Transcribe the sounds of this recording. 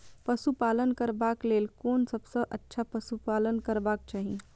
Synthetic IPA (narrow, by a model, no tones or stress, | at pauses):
pəsupaːlənkəɾbaːklelkoːnsəbsə̃ʔətːʃʰapəsupaːlənkəɾbaːk̚t͡ʃaːɦi